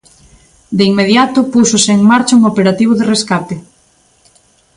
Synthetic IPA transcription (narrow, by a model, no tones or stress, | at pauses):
d̪eiŋmeðjat̪ʊpusoseːŋmaɾt͡ʃauŋopeɾat̪iβ̞ʊðereskape